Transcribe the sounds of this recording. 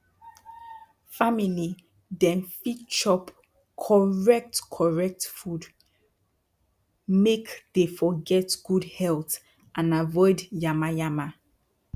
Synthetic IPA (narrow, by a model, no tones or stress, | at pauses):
famili | dɛ̃nfit͡ʃɔp | kʰɔɹɛk̚tkʰɔɹɛk̚tfud | mekd̥efɔɡɛtɡ̥udhɛlˠt | ʔãnavɔɪdjamajama